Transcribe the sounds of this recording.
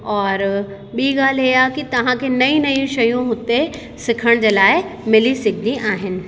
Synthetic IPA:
ɔːɾ | ɓiːɡaːlɦiaːkit̪ɐʋ̤ãkʰenɐĩnɐjũʃɐjũɦʊt̪e | sɪkʰəɽ̃d͡ʑeːlaːɪmɪlisɪkʰd̪iʔaːɦɪnɪ̆

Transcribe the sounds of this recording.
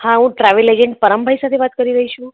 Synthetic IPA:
hãɦũʈɾaʋeled͡ʒeɳʈ̚pəɾəmbʱaɦisat̪ʰeʋat̪kəɾiɾəɦiʃũ

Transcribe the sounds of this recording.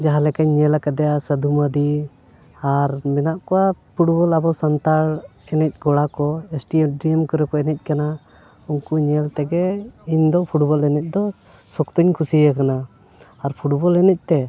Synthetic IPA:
d͡ʒaɦalɛkaɲːɛlakad̪ɛjasəd̪ʱuməd̪i | aɾmɛnaʔkɔwapʰuʈbɔlabɔsant̪aɽɛnɛc̚ˀɡɔɽakɔɛsʈiɖɾiɛmkɔɾɛkɔɛnɛc̚kana | uŋkuɲɛlt̪ɛɡɛiɲd̪ɔpʰuʈbɔlɛnɛc̚ˀd̪ɔ | sɔkt̪uɲkʰusiakanaː | ɾpʰuʈbɔlɛnɛc̚t̪ɛ

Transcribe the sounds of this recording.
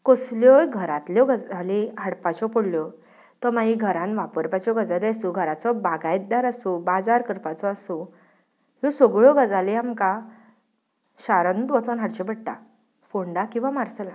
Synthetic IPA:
kɔsljɔjɡʱəɾat̪ljɔɡəd͡zaliɦəɽpat͡ɕɔpoɽljɔ | t̪ɔmaiɡʱəɾãnʋapəɾpat͡ɕɔɡəd͡zaliasuɡʱəɾat͡sɔbaɡajt̪̚d̪aɾasũbad͡zaɾkəɾpat͡sɔasũ | ɦɔsɔɡɭɔɡəd͡zaliamka | ɕaɾənt̪ʋɔt͡sɔnɦaɽt͡ɕɔbəɽʈ̪a̰ | foɳɖakĩw̃ʋamaɾsəlã

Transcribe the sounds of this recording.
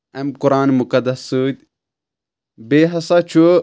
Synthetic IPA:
ɐmkʊɾaːnmʊkɐd̪ɐsɨːd̪̚ʲ | beːɦɐsɐt͡ʃʰu

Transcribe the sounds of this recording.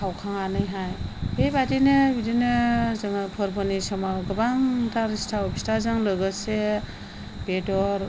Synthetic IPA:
kʰawkʰaŋanɯjɦajbebadinɯbidinɯzɯŋpʰɯɾbɔnisɔmawɡɯbaŋtʰaɾistʰawbistʰazaŋlɯɡɯse | b̥edɔɾ

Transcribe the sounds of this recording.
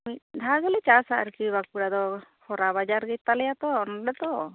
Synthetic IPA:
micd̪ʱaɡɛlɛt͡ʃasa̰ʔɾkibak̚puɾad̪ɔhʰɔɾaβad͡ʒaɾɡɛt̪ːalɛjat̪ɔːnɖɛt̪ɔ

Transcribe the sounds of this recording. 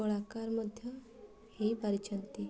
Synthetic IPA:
oɭakaɾməd̪ʱjə | hipəɾit͡ʃʰənt̪i

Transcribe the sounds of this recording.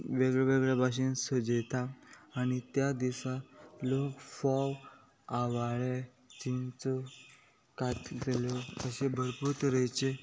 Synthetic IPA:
ʋeɡɭeʋeɡɭjabʱaɕ̬insəd͡ʑet̪aːñit̪jad̪isat̪lokfɔw | aʋaɭe | d͡ʑint͡sɔ | kaʈlelɔəɕebʱəɽpuɾt̪ɾəjt͡ɕe

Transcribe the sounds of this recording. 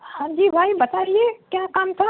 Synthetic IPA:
hãd͡ʒibʱaibət̪aɾiekjãkamt̪ʰa

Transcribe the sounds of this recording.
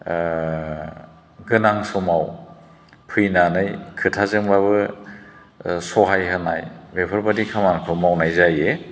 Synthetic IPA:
ɡɯnaŋsɔmaw | pʰɯjnanɯjkʰɯtʰazɯŋbaβɯ | sɔɦajɦɯnajbepʰɯɾbadikʰamankʰɯmawnajzaje

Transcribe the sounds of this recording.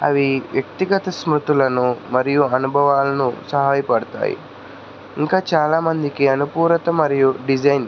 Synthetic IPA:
ɐ̰ʋiʋjɐk̚t̪iɡɐt̪ɐsmɾut̪ulɐnumɐɾijuɐnubʱɐʋaːlɐnusɐɦaːjɐpɐɽɐt̪a̰ːjḭ | iŋkaːt͡ʃaːlaːmɐnd̪ikiɐnupuːɾɐt̪ɐmɐɾijuɖid͡ʒɐjn

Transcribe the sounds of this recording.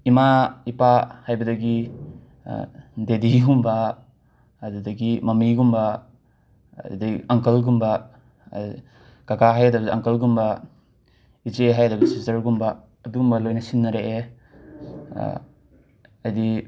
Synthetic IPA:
imaipahajbɐdɐɡḭ | dediɡumbɐ | ɐdudɐɡimɐmiɡumbɐ | diɐŋkɐlɡumbɐ | kakaɦajɐdɐbɐiɐŋkɐlɡumbɐ | id͡ʒeɦajɐdɐbsizɐɾɡumbɐː | dumbɐlojnɐsinːɐɾee | ɐjdi

